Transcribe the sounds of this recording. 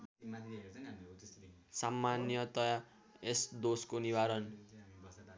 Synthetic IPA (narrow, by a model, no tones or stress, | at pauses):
samːanjʌt̪ʌja | esd̪oskonibaɾʌn